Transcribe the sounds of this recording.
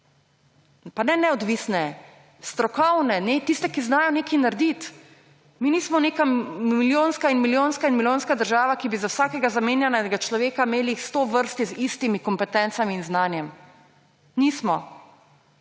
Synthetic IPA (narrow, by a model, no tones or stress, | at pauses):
panɛnɛɔd̪ʋisnɛ | st̪ɾɔkɔwnɛnet̪ist̪ɛkiznaːjɔneːkinaɾd̪it̪ | miniːsmɔneːkamiljoːnskainmiljonskainmilʲjonskad̪əɾʒaːʋakibizawsaːkɛɡazameːnjanɛɡat͡ʃlɔʋeːkameːlixst̪oʋəɾst̪izist̪imikɔmpɛt̪ɛnt̪samiːnznaːnjɛm | niːsmɔ